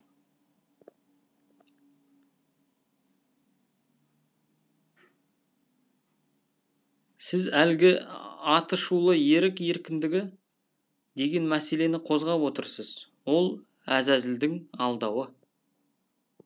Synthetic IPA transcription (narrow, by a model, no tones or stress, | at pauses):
sɪzælɡʲɪɑt̪əʃulˠəje̞ɾɪke̞ɾkʲɪnd̪ɪɡʲɪ | d̪e̞ɡʲe̞nmæse̞le̞nɪqʰo̞zʁɑpwo̞t̪əɾsəz̥ | wo̞lˠ | æzæzɪld̪ɪŋɑlˠd̪ɑwə